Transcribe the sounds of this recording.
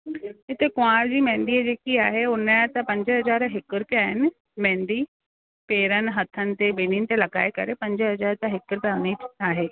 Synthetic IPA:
ɪt̪ʰekʊ̃ãːɽd͡ʑiːmɛ̃ːnd̪ied͡ʑeːkiaːɦeʊnat̪ɐ̃pɐ̃ɲd͡ʑɦɐzaːɾɦɪkʊɾkeaːɦɪnɪ | mɛ̃ːnd̪i | peːɾənɪ̆ɦɐt̪ʰənɪ̆t̪ebeːninɪ̆t̪elɐɡa̰ːekɐ̰ɾepɐ̃ɲd͡ʑɦɐzaːɾt̪ɐ̃ɦɪkəɾt̪ɐ̃ʊneaːɦeː

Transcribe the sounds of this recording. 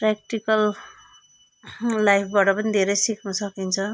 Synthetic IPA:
prak̚ʈikʌl | ajp̚ʰbaʈʌpʌnid̪ʱeɾʌjsiknʌsʌkint͡sʰʌ

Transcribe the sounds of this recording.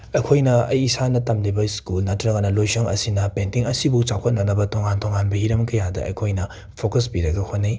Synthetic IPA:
ɐjkʰojnɐɐjːsanɐtamlibɐskulnatɾɐɡɐnɐlojsoŋɐ̰sinɐpentiŋɐsibuŋt͡ʃakʰɐt̚nɐnɐbɐtoŋantʰoŋanbɐhiɾɐmkɐjadɐ̰ɐ̰jkʰojnɐ | pʰokɐspiɾɐɡɐhʰotnij

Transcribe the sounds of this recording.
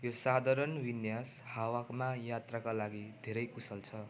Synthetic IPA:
josad̪ʱaɾʌnwinjashawakmajat̪rakalaɡid̪ʱeɾʌjkusʌlt͡sʰʌ

